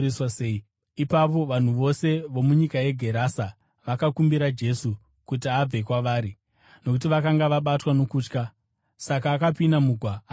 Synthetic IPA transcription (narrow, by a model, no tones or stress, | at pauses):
iswaseːi | ipapo̞ʋan̤uʋo̞se̞ʋo̞muɲikaje̞ɡʱe̞ɾaːsa | ʋakakumbiɾad͡ʒe̞su | kut̬iab͡ve̞kwaʋaːɾi | no̞kut̬iʋakaŋɡaʋaɓatwano̞kuːt͡ʃka | sakaːkapinamuɡʱwa